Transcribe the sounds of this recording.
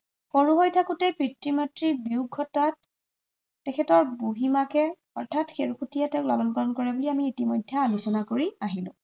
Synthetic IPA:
xoɹuɦojtʰakutɛpɹitɹimatɹibiuɡʱːɔtatː | ɛkʰɛtɔɹbuɦimakɛ | ɔɹtʰatxeɹukʰutijatɛʊla̰lɔnkɔlɔnkɔɹɛbuliamiːtimɔjdʱːɛalusɔnakoɹiaɦilʊ̰̃

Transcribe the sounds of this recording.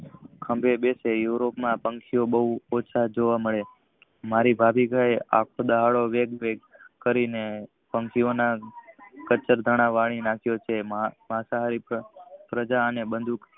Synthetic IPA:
kʰə̃mbʱebesejuɾopmãpə̃ŋkʰiobəɦuot͡ʃʰad͡ʒoʋaməɭe | maɾibʱabikaea̰kʰod̪əɦaɭoʋeɡʋeɡkəɾine | pəŋkʰiona | kət͡ʃəɾd̪ʱəɽ̃aʋaɽ̃inakʰjot͡ʃʰeməɦasaɦaɾipɾəd͡ʒaənebənd̪ʱuk

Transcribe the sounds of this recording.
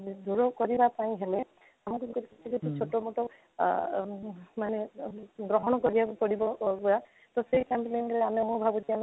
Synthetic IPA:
d̪ʱuɾɔkɔɾibapaĩɦele | amukukɔɾikit͡ʃʰikut̪ʰut͡ʃʰoʈɔmɔʈɔ | maneɡɾɔɦɔɽ̃ɔkɔɾiakupɔɽibɔɡɔja | t̪ɔsejkampnenɾeamemubʱabut̪iame

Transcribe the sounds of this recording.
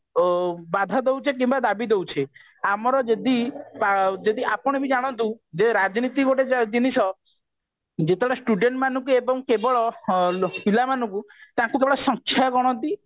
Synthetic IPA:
bad̪ʱad̪ewt͡ʃʰek̬ĩmbad̪abid̪ewt͡ʃʰe | amɔɾɔd͡ʒed̪ipad͡ʒed̪iʔapɔɽ̃ebid͡ʒaɽ̃ɔnt̪ũd͡ʒeɾad͡ʒnit̪ikoʈed͡ʒd͡ʒinisɔ | d͡ʒet̪ʰeɽasʈuɖeɳʈmanɔ̃ŋkuebɔŋkebɔɭɔ | milamanɔ̃ŋku | t̪ãkukebɔɭɔsɔ̃ŋkʰjaɡɔɽ̃ɔnt̪i

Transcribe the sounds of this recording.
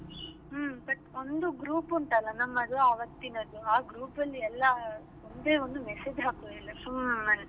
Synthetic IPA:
bɐʈond̪uɡɾuːpɐɳʈɐlːɐnɐmːɐd̪uɐʋɐt̪ːinɐd̪uaːɡɾuːpɐlːiɛlːɐ | ond̪eːond̪umɛsed͡ʒɦaːkoilːɐɐ

